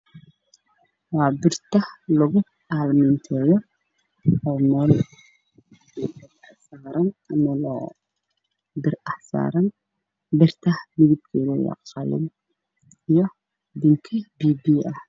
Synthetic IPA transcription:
wɑːbɪrt̪ɐhlɐɣʊ | ʔalmɪnt̪ʰɛːjɔ | ɔmɛːl | bɪbɪrɐħsaːɾɐnmɐlɔ̰ | bɪɾʔɐħsa̰ːɾɐn | bɪrt̪ʰɐhmɪðɪb̚kʰɛlɔjɐ̰qɑlɪ̰n | ijɔ | d̪ɪŋkʰɛbibiɐh

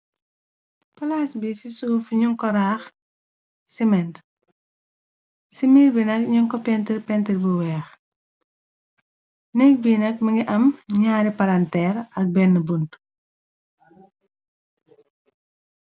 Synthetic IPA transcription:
pɐlasbisisuːfɲuŋkɔɾaːx | simɛnt | simiːɾbinɐk̚ɲuŋkɔpɛntiɾpɛntiɾbuwɛːx | nɛk̚binɐk̚mɐŋɡiʔɐmɲaːɾipɐlantɛːɾɐk̚bɛnːəbunt

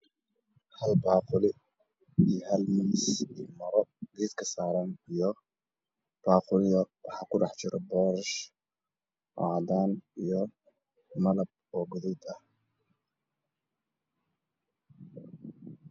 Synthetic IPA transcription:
hɐlbɑːqʊlɪ | ijhɐlmisḭmɐɾɔɡiːd̪kʰɐsaːɾɐnijɔ | b̥aːqʊlɪjɐwɑ̰ħɑːkʰʊɖɑħt͡ʃɪɾɔbɔːɾɐʃ | ɔ̰ʕd̪aːnijɔ | mɐlɐb̚ɔːɡʊðʊd̪ɐh

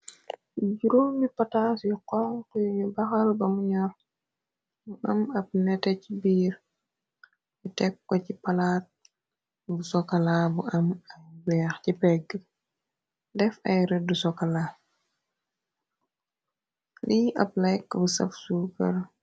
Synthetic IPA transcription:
ɟuɾomipatasjuqɔŋkujɲubɐxalbɐmuɲɔɾ | buʔɐmɐp̚nɛtɛcibiːɾ | bitɛkːɔcipalaːt̚ | busɔkalabuʔɐmɐjbɛːxcipɛɡə | dɛfɐjɾɛdusɔkala | liʔɐp̚lajkːbusɐ̰fsupɐɾ

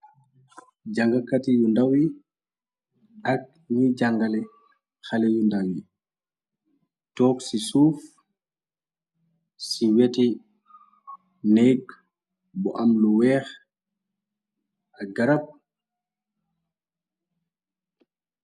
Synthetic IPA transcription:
d͡ʒaŋɡakatijundawi | ʔak̚ | nid͡ʒaŋɡalɛ | xalɛjundawi | tɔːksisuːf | siweti | neɡ | bɔ̰ʔamluwɛːx | ʔaɡaɾap̚

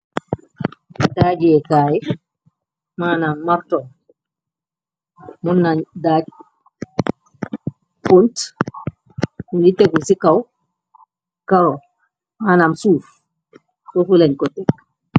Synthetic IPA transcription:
dad͡ʒɛkaːji | maːnamːaɾtɔm | munːandaːd͡ʒ | punt | unditekusikaw | kaɾɔ | maːnamsuːf | sofulaɲkɔtːɛ

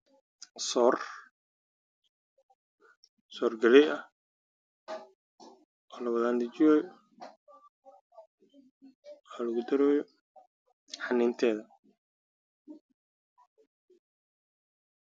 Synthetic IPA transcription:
sɔːr | sɔːrɡɐlɛjʔɐh | ʔɔːlɐwɐðaːnd̪ɪt͡ʃɪjɔj | alɐɣʊd̪ɐɾɔːjɔ | ħɑnɪnt̪ʰɛːðɐ

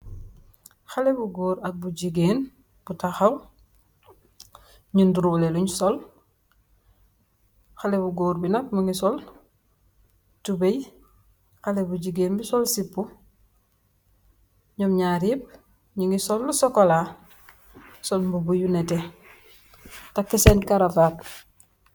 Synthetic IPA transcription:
xalebuɡoːɾak̚buɟiɡeːn | b̥utaxaw | ɲunduɾubleluɲsol | xalebuɡoːɾbinak̚muŋɡisol | tubej | xalebuɟiɡeːnbisolsipːu | ɲomɲaɾib̚ | ɲiŋɡisolːusokola | solmbubujunete | takːisenkaɾafaːt̚

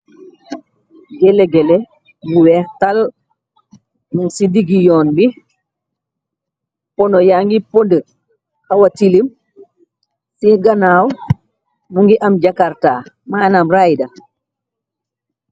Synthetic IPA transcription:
ɡɛlɛɡɛlɛ | muwɛhtal | muŋsidiɡijɔːnbi | pɔnɔjaŋɡipondə | hɐwɐtilim | siɡɐnaːw | muŋɡiʔɐmɟakaɾtaː | maːnamrajdɐ

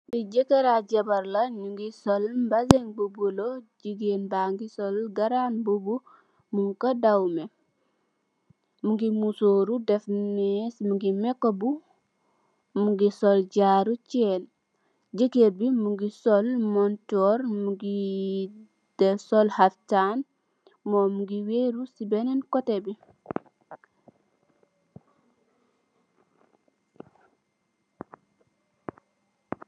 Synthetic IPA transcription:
biɟekeɾaɟebaɾlaɲuŋɡisolmbazeŋbubuloɟiɡenbaŋɡisolɡaɾanbubu | muŋkodawme | muŋɡimusoːɾudefnesmuŋɡimekːobu | muŋɡisolɟaɾut͡ʃɛn | ɟikeɾbimuŋɡisɔlmɔntɔɾmuɡi | d̥ɛsɔlhaftan | momuŋɡiweɾusibɛnɛnkɔtebi

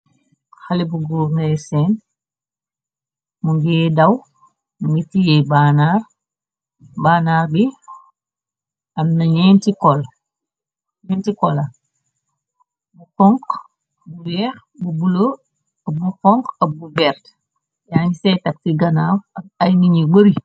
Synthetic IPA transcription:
xɐlibuɡuːŋɡɐsɛn | muŋɡɛːdɐw | ŋɡitijɛjbanaːr | baːnaːrbi | ɐmnɐɲɛntikɔl | ɲɛntikɔlɐ | bufɔŋk | buwɛːx | bubulo | ɐbufɔŋkɐbubɛːɾt | jaːŋisɛjtɐk̚tiɡɐnaːwɐb̚ɐjŋiɲibəɾi

